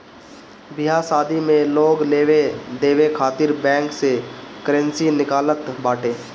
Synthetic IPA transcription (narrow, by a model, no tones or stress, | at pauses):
bɪɦasaːd̪ʱimẽloːɡleːʋed̪eːʋekʰaːt̪ɪɾbɛ̃ːŋksekəɾə̃nsinɪkaːlət̪baːʈeː